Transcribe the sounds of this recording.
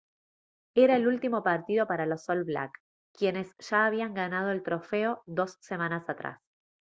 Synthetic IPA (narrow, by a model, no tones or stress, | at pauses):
eɾaelult̪imo̞paɾt̪ið̞o̞paɾalo̞solβla̰kː | je̞ne̞sʒ̥aːβ̞iaŋɡanað̞oelt̪ɾo̞feo̞ðo̞sːe̞mãnasat̪ɾa̰s